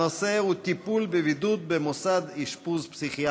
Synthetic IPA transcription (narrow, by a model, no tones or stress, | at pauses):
oseut̪ipulbevid̪ut̪̚bemosad̪iʃpuzpsiχia